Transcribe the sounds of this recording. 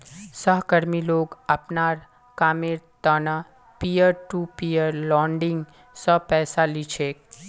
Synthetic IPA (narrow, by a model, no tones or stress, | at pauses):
səɦkəɾmiloːɡəpnaːɾ | kaːmeɾt̪əna | pijəɾʈupijəɾlɔːɳɖɪ̃ŋɡ | səɦpɛːsalit͡ʃʰeːk